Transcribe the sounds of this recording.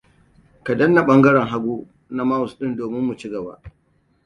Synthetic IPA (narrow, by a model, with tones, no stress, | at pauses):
ka˨dɐ˦nːa˨ɓɐ˦ŋɡɐ˦ɽɛ˨ŋɦa˦ɡʷuː˦ | na˦ma˦wʊ˨sɗɪ˦ndoː˨mɪ˦mːu˨t͡ʃɪ˦ɡɐ˨ba̰ː˦ʔ